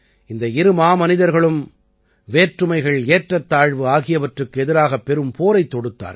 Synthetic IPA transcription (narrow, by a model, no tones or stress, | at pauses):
ɪnd̪ɐɪɾɯmaːmɐnɪðɐɾɣɐɭɯm | ʋeːʈrɯmɐɪɣɐɭeːʈrɐt̪ːaːɻʋɯaːɣɪjɐʋɐʈrɯkːɯɛðɪɾaːɣɐpːɛɾɯmpʰoːɾɐɪt̪ːɔɽɯt̪ːa̰ːɾ